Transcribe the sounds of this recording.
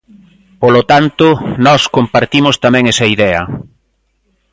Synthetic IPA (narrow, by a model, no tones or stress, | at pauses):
polot̪ant̪ʊnɔskompaɾt̪imʊst̪amɛ̃ŋɛsɐiðɛɐ̰